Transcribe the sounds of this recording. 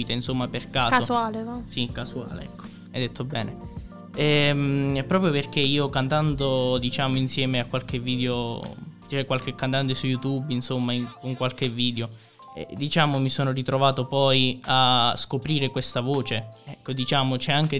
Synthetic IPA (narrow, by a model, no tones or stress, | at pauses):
iːt̪einsomːaperkaːsosualesikasua̰ːlḛɛ̰kʰːo̥ | ajd̪et̪ʰːobɛːne | ɛmpɾɔːp̬ɾjoperk̟eiːokant̪and̪od̪it͡ʃaːmoinsjɛːmeakwalk̟evːiːd̪eot͡ʃɛkːwalk̟ekːant̪̬ant̪esujːut̪ubinsomːaikoŋkwalk̟evːiːd̪eo | ɛ̰d̪it͡ʃaːmomisoːnorit̪ɾovaːt̪opɔjaskopɾiːɾekwest̪avoːt͡ʃeɛkːod̪it͡ʃaːmot͡ʃɛaŋk̟e